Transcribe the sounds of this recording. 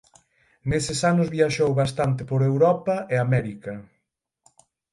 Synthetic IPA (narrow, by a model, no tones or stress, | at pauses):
nesɪsanʊzβiaʃowβast̪ant̪ɪpoɾewɾɔpɐʔeamɛɾikɐ